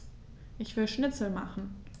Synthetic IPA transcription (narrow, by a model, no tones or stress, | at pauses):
ʔɪçv̥ɪlʃnɪt͡sl̩maχn̩